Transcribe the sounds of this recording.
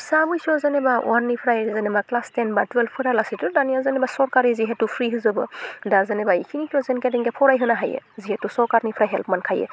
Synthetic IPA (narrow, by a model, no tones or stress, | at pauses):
sabɯjsɔzɛnɛbawanːipʰɾajzɛnɛmaklastɛnbatwɛlfpʰːɯɾalasitudanijazanɛbasɔɹkaɹiziɦɛtupʰɹiɦɯzɔbɯdazɛnɛbaikʰinikʰiɔzɛnkɛdɛŋɡɛpʰɔɾajɦɯnaɦajɛ̰ziɦɛtusɔɹkaɹnipʰɾajɦɛlpmankʰajɛ̰